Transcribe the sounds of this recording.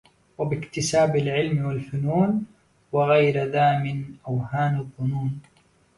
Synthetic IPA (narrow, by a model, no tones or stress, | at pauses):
wabɪkt̪ɪsaːbalʕɪlmwalfʊnuːn | waɣajɾðaːmɪnʔawhaːnɑðˤːʊnuːn